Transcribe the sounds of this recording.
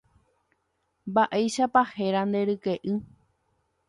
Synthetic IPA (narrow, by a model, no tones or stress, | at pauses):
mbaʔejʃapahe̞ɾand̪e̞ɾɨke̞ʔɨ